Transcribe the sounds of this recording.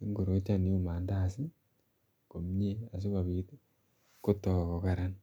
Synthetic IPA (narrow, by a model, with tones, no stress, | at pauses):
i˦ŋɡo˨ɾo˨˦t͡ʃa˦ni˨o˦maː˨nda˨si˦ | ko˨m˦ɲe˦a˨s̬i˦βa˨βiː˨te˦ | ko˦tːo˨ko˨ka˨ɾa˦na